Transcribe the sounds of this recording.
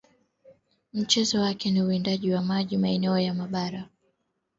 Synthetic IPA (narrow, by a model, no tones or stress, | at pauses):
m̩t͡ʃɛzɔwakɛniuindaʄiwamaʄimaɛnɛɔjamaɓaɾa